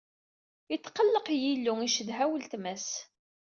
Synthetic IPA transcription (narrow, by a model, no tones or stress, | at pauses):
jət̪ːqəlːəqjilːuŋiʃəðɦæwəlt̪mæs